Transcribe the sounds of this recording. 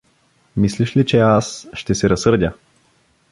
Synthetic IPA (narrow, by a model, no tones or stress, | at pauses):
misliʃlit͡ʃɛasʃt̪ɛsɛɾɐsɤɾd̪ʲə